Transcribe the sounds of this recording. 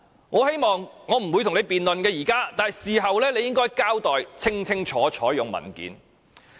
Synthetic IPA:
ŋɔː˨˧he˥jmɔː˨ŋŋɔː˨˧m̩˨˩wu˨˧jt̪ʰne˨˧jpiː˨nlɵ˨nkɛː˧jiː˨˩kaː˥t̪aː˨nɦjsiː˨˩ɦɐ˨wlɛː˥le˧jɪ˥ŋkɔː˥jkaː˥wt̪ɔː˨jt͡sʰɪ˥ŋt͡sʰɪ˥ŋt͡ʃʰɔː˨˥t͡ʃʰɔː˨˥jʊ˨ŋmɐ̰˨˩nkḭː˨˥n

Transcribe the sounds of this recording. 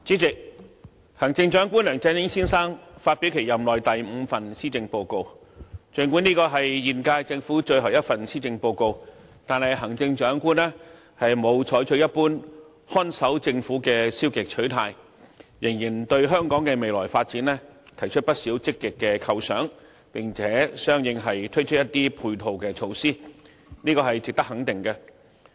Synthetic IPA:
t͡siː˨˥t͡sɪ˨k̚ | hɐ˨˩ŋt͡sɪ˧ŋt͡ʃœː˨˥ŋkʷuː˥nlœː˨˩ŋt͡sɐ˧˥njɪ˥ŋsiː˥nsaː˥ŋfaː˧t̚pi˨˥wkʰe˨˩jɐ˨mlɔː˨jt̪ɐ˨jm̩˨˧fɐ˨nsiː˥t͡sɪ˧ŋpo˧wko˧w | t͡ʃɵ˨˧ŋku˨˥niː˥kɔː˧ɦɐ˨jːiː˨˩nkaː˧jt͡sɪ˧ŋfuː˨˥t͡ʃɵ˧ɥɦɐ˨˩wjɐ˥t̚fɐ˨nsiː˥t͡sɪ˧ŋpo˧wko˧wt̪aː˨nhɐ˨jɦɐ˨˩ŋt͡sɪ˧ŋt͡ʃœː˨˥ŋkuː˥nlɛː˥ | hɐ˨jmo˨˧wt͡ʃʰɔː˨˥jt͡ʃʰɵ˨˥ɥjɐ˥t̚puː˥n | hɔː˥nsɐ˨˥wt͡sɪ˧ŋfuː˨˥kɛː˧siː˥wkɪ˨k̚t͡ʃʰɵ˨˥ɥt̪ʰa̰ː˧j | jɪ˨˩ŋjiː˨˩nt̪ɵ˧ɥɦœː˥ŋkɔː˨˥ŋkɛː˧me˨jlɔː˨˩jfaː˧t̚t͡siː˨˥nlɛː˥t̪ʰɐ˨˩jt͡ʃʰɵ˥t̚pɐ˥t̚siː˨˥wt͡sɪ˥kːɪ˨kːɛ˧kʰɐ˧wsœː˨˥ŋ | pɪ˨ŋt͡sʰɛː˨˥sœː˥ŋjɪ˧ŋɦɐ˨jt̪ʰɵ˥t͡ʃʰɵ˥jɐ˥t̪iː˥pʰuː˧jt̪ʰo˨wkɛː˧t͡ʃʰo˧wsiː˥ | niː˥kɔː˧ɦɐ˨jt͡sɪ˨k̚t̪ɐ˥k̚hɐ˨˥ŋt̪ɪ˨ŋkɛ˧

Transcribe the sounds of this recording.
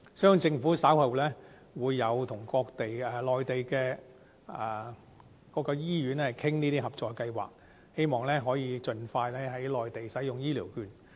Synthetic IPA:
sœː˥˧ŋt͡sɪ˧ŋfuː˨˥saː˨˥whɐ˨wlɛː˥ | wuː˨˧jːɐ˨˧wt̪ʰʊ˨˩ŋkɔː˧k̚t̪e˨jɛː˨˩lɔː˨jt̪e˨jkɛː˧ | ɛ˨˩ | kɔː˨˥kːɔː˧jiː˥jyː˨˥n˥hɐ˨˩jkʰɪ˥ŋniː˥t̪iː˥ɦɐ˨p̚t͡sɔː˨jkɐ˧jwa̰ː˨k̚ | he˥jmɔː˨ŋlɛː˥ɦɔː˨˥jiː˨˧t͡ʃɵ˧nfaː˧jlɛː˥ɦɐ˨˥jlɔː˨jt̪e˨jsɐ˨˥jʊ˨ŋjiː˥liː˨˩wkyː˨n

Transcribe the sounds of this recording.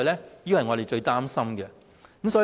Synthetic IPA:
jlɛː˥jiː˥wɐ˨jŋɔː˨˧ɾe˨jt͡ʃɵ˧ɥt̪aː˥msɐ˥mɡɛ˧ | kmsɔː˨˧˥

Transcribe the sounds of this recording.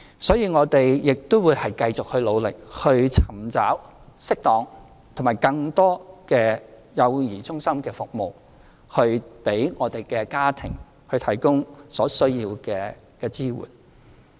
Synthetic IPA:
sɔː˨˥jiː˧ŋɔː˨˧t̪e˨jjɪ˨k̚t̪ʊ˥wuː˨˧jhɐ˨jkɐ˧jt͡sʊ˨k̚hɵ˧ɥlo˨˧wlɪ̰˨k̚hɵ˧ɥt͡sʰɐ˨˩mt͡sa̰ː˨˥wsɪ˥k̚t̪ɔː˨˧ŋ | t̪ʰʊ˨˩maː˨˩jkɐ˧ŋt̪ɔː˥kɛː˧ | jɐ˨˧wjiː˨˩t͡sʊ˥ŋsɐ˥mkɛː˧fʊ˨k̚mo˨w | hɵ˧ɥpe˨˥jŋɔː˨˧t̪e˨jkɛː˧kaː˥t̪ʰɪ˨˩ŋ | hɵ˧ɥt̪ʰɐ˨˩jkʊ˥ŋsɔː˨˥sɵ˥ɥjiː˧wkɛː˧kɛː˧t͡siː˥wṵː˨˩n

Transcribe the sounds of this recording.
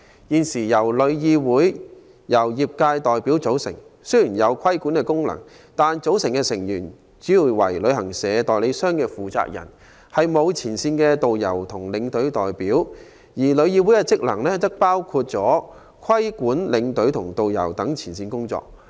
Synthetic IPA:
jiː˨nsiː˨˩jɐ˨˩wlɵ˨˧ɥjiː˧wuː˨˥j | jɐ˨˩wjiː˨p̚kaː˧jt̪ɔː˨jpiː˨˥wt͡so˨˥wsɪ̰˨˩ŋsɵ˥ɥjyː˨˩njɐ˨˧wkʰɐ˥jkuː˨˥nkɛː˧kʊ˥ŋlɐ̰˨˩ŋ | t̪aː˨nt͡so˨˥wsɪ˨˩ŋkɛː˧sɪ˨˩ŋjyː˨˩n | t͡siː˨˥ji˨˧˩wɐ˨˩jlɵ˨˧˥ɥhɐ˨˩ŋsɛː˨˧t̪ɔː˨jle˨˧jsœː˥ŋkɛː˧fuː˨t͡sa̰ː˧k̚jɐ̰˨˩n | hɐ˨jmo˨˧wt͡sʰiː˨˩nsiː˧nkɛː˧t̪o˨wjɐ̰˨˩wt̪ʰʊ˨˩ŋlɪ˨˧ŋt̪ɵ˨˥ɥt̪ɔː˨jpiː˨˥w | jiː˨˩lɵ˨˧ɥjiː˧wu˨˥jkɛ˧t͡sɪ˥k̚lɐ˨˩ŋlɛː˥t̪ɐ˥k̚paː˥wkʰu˧t̚t͡sɔː˨˥ | kʰɐ˥jkuː˨˥nlɪ˨˧ŋt̪ɵ˨˥ɥt̪ʰʊ˨˩ŋt̪o˨wjɐ̰˨˩wt̪ɐ˨˥ŋt͡sʰiː˨˩nsiː˧nkʊ˥ŋt͡sɔ̰ː˧k̚

